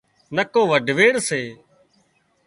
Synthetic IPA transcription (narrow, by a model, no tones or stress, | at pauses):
nəkoːʋəɖʱʋeːɽseː